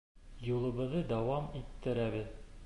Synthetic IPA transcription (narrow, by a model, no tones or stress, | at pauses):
julˠɤ̆βɤ̆ðɤd̪æwɑmit̪ːɘ̆ɾæβɘð